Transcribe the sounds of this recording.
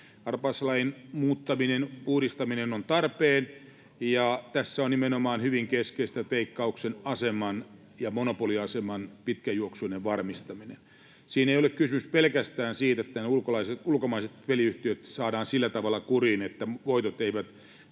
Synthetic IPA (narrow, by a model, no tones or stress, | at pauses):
ɑrpɑslɑinmuːt̪ːɑminenpuhɾist̪ɑminenont̪ɑrpeːn | jɑt̪æsːæonimenomɑːnhyʋiŋkeskeist̪æt̪eikːɑuksenɑsemɑn | jɑmonopoliɑsemɑnpit̪kæjuoksuineʋʋɑrmist̪ɑminḛn | siːneijolekkysymyspelkæst̪æːnsiːt̪et̪ːæneulkolɑiseulkomɑiset̪ʋeliyht̪iøt̪sɑːdɑːnsilːæt̪ɑʋɑlːɑkurinet̪ːæʋoit̪ot̪eiʋæt̪